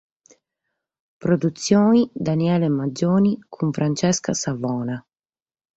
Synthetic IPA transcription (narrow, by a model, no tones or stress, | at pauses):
pɾod̪ut̪sːjoːid̪aniɛːlemad͡ʒoːnikʰuɱfɾant͡ʃɛskasavɔːna